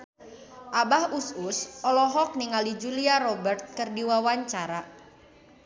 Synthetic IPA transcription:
ʔabahususɔlɔɦɔk̚niŋalid͡ʒuliarɔbɛrt̪̚kərdiwawaɲt͡ʃaɾa

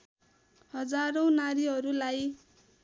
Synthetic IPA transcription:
hʌd͡zaɾʌw̃naɾiɦʌɾulaj

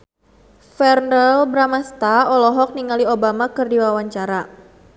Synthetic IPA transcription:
fɛrndəlbɾamast̪aɔlɔɦɔk̚niŋaliobamakɨrdiwawaɲt͡ʃaɾa

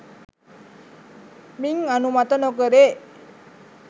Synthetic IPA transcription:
miŋanumat̪ənokəɾeʔ

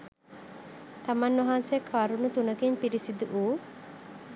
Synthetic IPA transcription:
t̪amanːoɦansekʰaɾunut̪unɐkiɲpiɾisid̪uʔuː

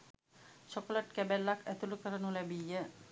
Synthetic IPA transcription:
t͡ʃokoləʈkæbælːakʰæt̪ulukəɾənulɛbijːə

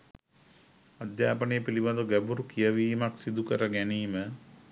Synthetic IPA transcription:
ad̪jaːpənejəpilibad̪oɡæbuɾukijəʋiːmaksid̪ukəɾəɡæniːmə

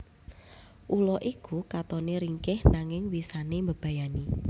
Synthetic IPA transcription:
ʔulɔʔikukat̪ɔneɾiŋkɪhnaŋɪŋwisanembəb̥ä̤jani

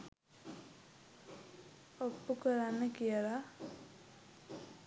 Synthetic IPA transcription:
opːukəɾanːekijəɾa

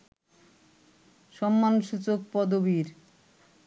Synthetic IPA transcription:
ʃɔmːanʃut͡ɕok̚pɔd̪obiɾ

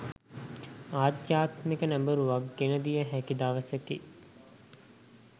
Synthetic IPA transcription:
aːd̪jaːt̪mekənæmbəɾuʋakːenəd̪ijəɦækid̪aːʋəsəki

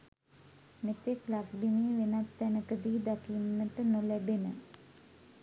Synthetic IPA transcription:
met̪eklakbimiːʋenat̪ːænəkəd̪iːd̪akinːəʈənolæbenə

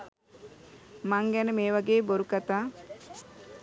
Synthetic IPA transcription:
maŋɡænəmeːʋaɡeːboɾukat̪aː

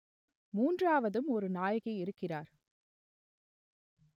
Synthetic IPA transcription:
muːndraːʋɐðɯmɔɾɯnaːjɐɣɪɪɾɯkːɪraːɾ

